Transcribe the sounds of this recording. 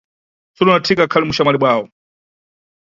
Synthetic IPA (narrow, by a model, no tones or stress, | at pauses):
sɔlunatʰikakʰalimuʃamaliɓwaːwɔ